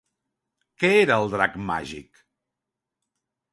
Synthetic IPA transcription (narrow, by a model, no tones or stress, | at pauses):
kɛeɾəːlˠd̪ɾakma̰ʒḭk